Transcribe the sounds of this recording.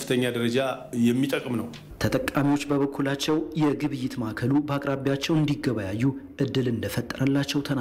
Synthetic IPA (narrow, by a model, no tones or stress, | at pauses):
fɨt̪ʰəɲːad̪əɾəd͡ʒa | jɛmːit̪ʼəkʼmnəw | t̪ʰət̪ʼəkʼːamiwo̞t͡ʃːbəβəkʰːulat͡ʃːɛwjɛɡɨβɨjːɪt̪makʰəlubəakʼɾaβijat͡ʃːɛwɨnd̪iɡːəβajajːuʔɨd̪ːɨlɨnd̪əfət̪ʼːəɾəlːat͡ʃːɛwt̪ʰəna